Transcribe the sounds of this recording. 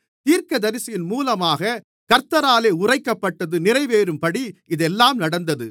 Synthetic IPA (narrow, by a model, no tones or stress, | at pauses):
t̪iːɾkɐd̪ɐɾɪsɐjɪnmuːlɐmaːɣɐ | kɐɾt̪ɐɾaːleːʊrɐɪkːɐpːɐʈːɐðɯnɪrɐɪʋeːɾɯmpɐɽiɪðɛlːaːmnɐɽɐnd̪ɐðɯ